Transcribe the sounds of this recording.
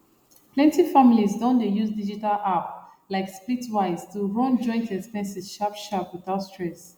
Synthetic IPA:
plɛ̃ntifamilizdɔ̃ndejuzdid͡ʒitalʔap̚ | laɪkspitwaɪztuɹɔ̃nd͡ʒɔ̃ɪ̃ntʰɛtmɛsɛd͡ʒʃapʃapwiðaʊstɹɛs

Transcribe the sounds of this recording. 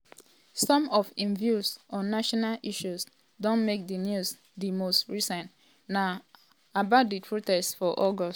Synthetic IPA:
sɔ̃mɔfĩnvjusɔ̃nːaʃɔnalʔiʃus | dõnmek̚dinjus | dimostɹisɛ̃nt | na | abaʊt̚dipʰɹotɛstfɔʔɔɡɔs

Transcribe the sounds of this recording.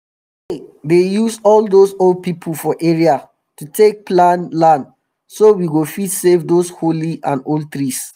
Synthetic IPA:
edejusɔldosold̚pipʰəl̩fɔʔeɹia | tutʰek̚plãnlãnd | sowiɡofidsevdosholiãnold̚t̪ɹis

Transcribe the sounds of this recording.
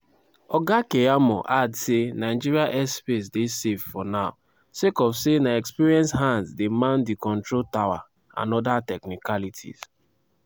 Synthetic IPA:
ɔɡakeamɔ̰ʔadsenaɪd͡ʒiɾiaʔɛspes̬desevfɔnaʊ | sekɔfsenaɛkspiɾiɛ̃nsɦãndzdemãndikɔ̃ntɹoltawa̰ | ã̰nɔdatɛknikalitʰḭz̥

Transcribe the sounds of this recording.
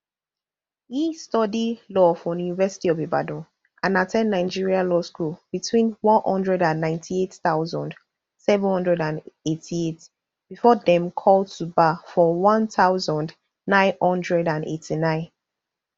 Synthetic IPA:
histɔdidlɔfɔ̃junivɛsi̥tiɔveba̰dɔ̃ | ʔãnatʰɛ̃ndnaɪd͡ʒiɹialɔskulb̥itʰwĩnwɔ̃nhɔ̰̃ndɹɛdãnːãɪ̃ntʰietθaʊzɔ̃nd | sɛvə̃nhɔ̃ndɹɛdãnetʰiet | b̥ifɔdɛ̃mkʰɔld̚tʰubafɔwɔ̃nθaʊzɔ̃nd | nãɪ̃nhɔ̃ndɹɛdãnḛtʰinãɪ̃n

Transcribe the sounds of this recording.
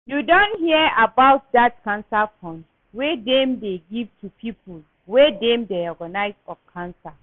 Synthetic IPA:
judɔ̃nthiəabaʊt̚dat̚kãnsafɔ̃nd | wɛdɛ̃mdeɡivtʰupʰipʰul | wɛdɛ̃mdeɔɡanaɪsɔfkʰãnsa

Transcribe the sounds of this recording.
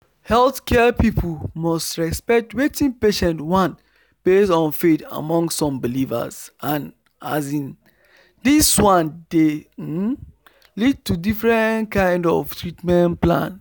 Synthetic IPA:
hɛlθkʰɛpipʰlmɔstɹɛspɛk̚twetĩnpeʃɛ̃nwãn | b̥esɔ̃nfeta̰mɔ̃ŋsːɔ̃mbilivə̰sʔãn | a̰zĩn | diswãnde | lid̚tudifɹɛ̃nkãɪ̃ndɔ̰ftʰɹitmɛ̃nplã̰n

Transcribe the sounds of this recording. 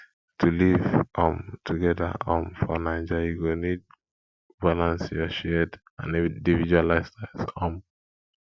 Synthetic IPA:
tʰulivʔɔ̃mtʰuɡɛda̰ɔ̃mfɔnãɪ̃nd͡ʒajuɡonid̚ | balãnsjɔʃɛd | ã̰nĩdivid͡ʒualaɪstasɔ̃m

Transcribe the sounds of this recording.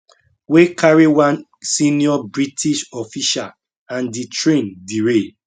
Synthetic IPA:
wekʰaɹiwãn | sĩniɔbɹitʰiʃɔfiʃa̰l | ãnditɹẽndiɹe

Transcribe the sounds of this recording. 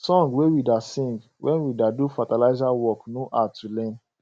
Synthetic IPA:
sɔ̃ŋɡwewidasĩŋɡ | wʔɛ̰̃nwidadufatalaɪzawɔknoʔatulɛ̃n

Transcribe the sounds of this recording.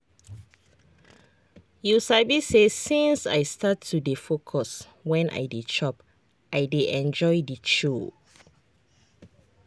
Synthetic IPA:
jusabisesĩnsa̰jstatʰːudefokʰɔs | wɛ̃nʔa̰jdet͡ʃɔp | ʔajdeʔɛ̃nd͡ʒɔɪdit͡ʃo

